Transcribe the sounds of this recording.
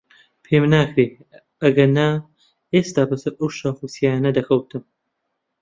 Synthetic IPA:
pʰeːmnaːkɾeː | ɐɡɐnaː | eːst̪aːbɐsɐɾɐwʃaːfusiaaːnɐd̪ɐkʰɐwt̪ʰɨm

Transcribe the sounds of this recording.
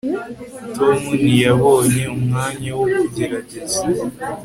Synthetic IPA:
tomunijaβoːɲe̞umŋaːɲawokuɟiɾaɟezi

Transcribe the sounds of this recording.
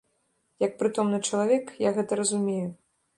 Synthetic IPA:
jɐk̚pɾɨt̪ɔmnɨt͡ʂɐlˠavʲɛkjaɣɛt̪ɐɾɐzumʲeju

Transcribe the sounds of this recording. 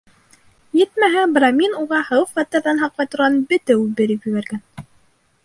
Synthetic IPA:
jɘt̪mæɦæbɾɑmʲinuʁɑhɤwɤχɑt̪ːɤ̆ɾðɑnɦɑqlɑjt̪ŏɾʁɑnbɘ̆t̪æʉbɘ̆ɾɘkjɵβæɾɡæn

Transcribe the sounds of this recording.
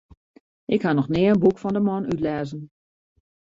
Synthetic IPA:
ʔɪkhanɔxnɪːənbukfɔndəmɔnytlɛːzən

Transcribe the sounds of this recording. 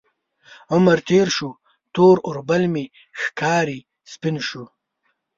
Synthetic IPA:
ʊmɐɾt̪eːɾʃu | t̪oːɾʊɾbɐlmi | xkaːɾi | spinʃu

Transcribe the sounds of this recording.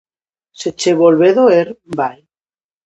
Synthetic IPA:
set͡ʃeβolβeðoeɾbaj

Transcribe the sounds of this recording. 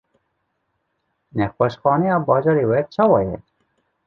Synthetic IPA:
nɛxwɛʃxɑːnɛjɑːbɑːd͡ʒɑːɾewɛt͡ʃʰɑːwɑjɛ̰

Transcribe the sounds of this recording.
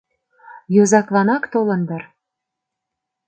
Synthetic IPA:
jozɑklˠɑnɑkt̪olɤ̆nd̪ɤ̆r

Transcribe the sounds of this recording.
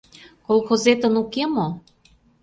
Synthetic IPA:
kolˠxozet̪ə̆nukemo

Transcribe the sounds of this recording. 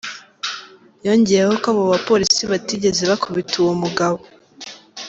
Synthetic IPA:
jo̞ːɲɟejehokaβoβapo̞ɾisiβatiɟe̞zeβakʰuβituwomuɡaβo

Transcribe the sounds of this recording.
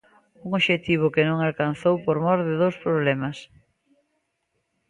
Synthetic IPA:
uŋoʃet̪iβ̞ʊkɪnõŋalkanθowpoɾmɔɾðeðowspɾoβ̞lɛmɐs

